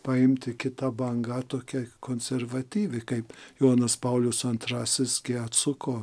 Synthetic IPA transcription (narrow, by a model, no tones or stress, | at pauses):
pɐɪmʲt̪ʲɪkʲɪt̪ɐbɐŋɡɐt̪oːkʲɛkoːnʲsʲɛrʋɐt̪ʲiːʋʲɪkɐɪpjoːnɐspɐʊlʲʊsɐnt̪ɾɑːsʲɪsɡʲɪɐt̪sʊkoː